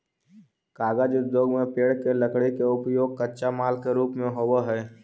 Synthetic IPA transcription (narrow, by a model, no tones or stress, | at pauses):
kaːɡaːd͡ʒʊd̪d̪joːɡmẽpeːɽkeləkɽekeʊpjoːɡ̚kətːʃamaːlkeɾuːpmẽɦoːwəɦɛː